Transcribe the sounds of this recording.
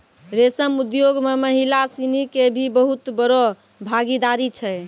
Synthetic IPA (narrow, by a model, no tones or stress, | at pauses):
ɾesəmud̪joɡmeməɦilasinikebʱibəɦut̪bəɾɔ | bʱaɡid̪aɾit͡ʃʰɛ